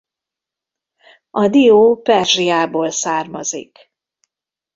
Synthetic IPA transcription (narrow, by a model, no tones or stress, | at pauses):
ʔɒd̪ioːpɛrʒijaːboːlsaːrmɒ̰zḭk